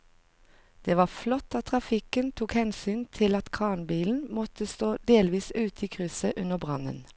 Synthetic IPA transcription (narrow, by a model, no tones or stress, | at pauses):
d̪̥eːʋɑːflɔt̪ːɑt̪ʰʁɑfɪkənt̪ʰuːkhɛnsyːnt̪ʰɪlɑt̪kʰɑːnbiːln̩mɔt̪əst̪oːd̪eːlʋiːsʉːt̪ʰiːkʰʁʉsəʔʉnəbʁɑnə̰n